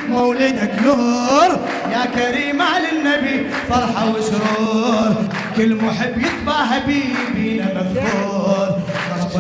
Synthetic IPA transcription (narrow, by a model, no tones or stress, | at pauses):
mawlinaknʊɾˤ | jakaɾiːmaʕalanːabi | fɑɾˤħawɪʃɾuːɾˤ | kʊlːmʊħɪbːjɨt̪ˤbɑʕɦabiːbinamaɣbuːɾˤ | ɑɾˤ